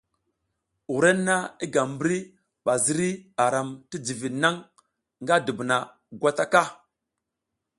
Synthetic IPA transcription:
u˨ɾe˦nː˦a˦i˦ɡa˨mbɾi˦ | ɓa˨zi˦ɾi˦a˨ɾa˨mti˦d͡zi˨vi˨na˦ŋ | ŋɡa˦də˨bna˨ | ɡʷa˦ta˦ka˦

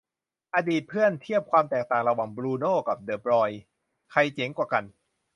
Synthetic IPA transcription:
ʔa˧diː˨˩t̪̚pʰɯ˥˩ənt̪ʰi˥˩əp̚kʰwaː˧mt̪ɛː˨˩k̚t̪aː˨˩ŋɾa˧waː˨˩ŋbɾuː˧noː˥˩ka˨˩p̚dɤː˨˩p̚ɾɔː˧j | kʰa˧jt͡ɕe˩˦ŋkwaː˨˩ka˧n

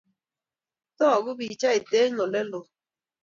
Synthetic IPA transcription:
tɔ˦ɔ˨ɡʊ˦bi˨t͡ʃa˦i˨te˦ɲɔ˨le˦lo˨

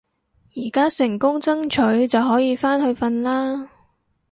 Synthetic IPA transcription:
jiː˨˩kaː˥sɪ˨˩ŋkʊ˥ŋt͡sɐ˥ŋt͡ʃʰɵ˨˥ɥt͡sɐ˨wɦɔː˨˥jiː˨˧faː˥nhɵ˧ɥfɐ˧nlaː˥

